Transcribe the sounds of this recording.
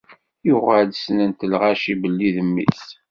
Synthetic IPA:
jʊʁəlsnənt̪əlʁaʃibəlːiðəmːḭs

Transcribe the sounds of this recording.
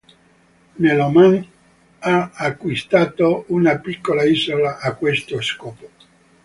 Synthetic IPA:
neloman | aːkːwist̪aːt̪ounapikːolaiːzolaʔːkːwest̪oskoːpo

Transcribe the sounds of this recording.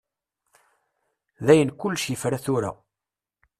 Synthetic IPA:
ðæjənkʊlːʃjəfɾaθʊɾa̰

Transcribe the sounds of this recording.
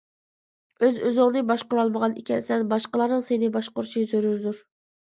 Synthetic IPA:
øzøzʊŋnɨbɑʃqʊɾɑlˠməʁɑnḭkʲʰɛnsɛnbɑʃqəlˠɑɾnɨŋsenɪbɑʃqʊɾʃizøɾyzd̪uɾ

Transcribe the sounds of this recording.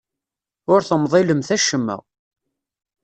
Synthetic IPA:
ʊɾθəmðˤeləmθæʃəmːə̰ʁ

